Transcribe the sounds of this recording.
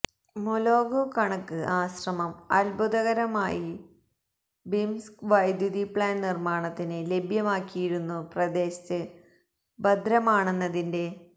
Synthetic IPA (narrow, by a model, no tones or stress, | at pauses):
moloːɡoːkɐɳɐkːɨʔaːɕrɐmɐmɐ̰lbʱud̪ɐɣɐɾɐmaːji | bimskʋɐjd̪juðipɭaːnnirmaːɳɐt̪ːinɨle̞bʱjɐmaːkːijiɾunːuprɐd̪e̞ːɕɐ̥tɨ | bɐd̪ʱɾɐmaːɳenːɐðinde̞